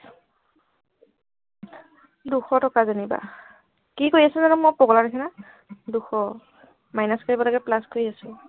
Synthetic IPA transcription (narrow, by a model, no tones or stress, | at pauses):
duxɔtɔkazaniba̰ | kikoɹiasɛzanumɔpɔɡɔlanakʰɛna | duxʰɔ | majnaskaɹibalɔɡɛplaskoɹiasʊ̃